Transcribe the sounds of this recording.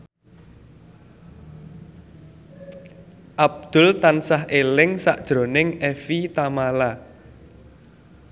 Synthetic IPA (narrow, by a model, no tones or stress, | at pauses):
ʔab̚d̪̥ʊ̤lt̪ansaɦʔelɪŋsa̰ʔd̥ʒ̥ɾo̤nɪŋefit̪amala